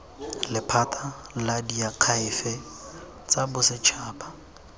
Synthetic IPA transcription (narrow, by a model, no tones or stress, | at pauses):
lɪpʰatʰaladiaq͡χʰaɪfɛ | t͡sabʊsɪt͡ʃʰaːpa